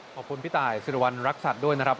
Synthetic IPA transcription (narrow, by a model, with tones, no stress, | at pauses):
ɔː˨˩p̚kʰu˧npʰiː˦˥t̪aː˨˩jsɯ˨˩wa˧nɾa˦˥k̚sa˨˩t̪̚du˥˩əjna˦˥ɾa˦˥p